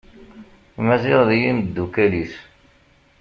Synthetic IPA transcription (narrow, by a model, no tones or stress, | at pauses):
mæziʁðijind̪ːukælis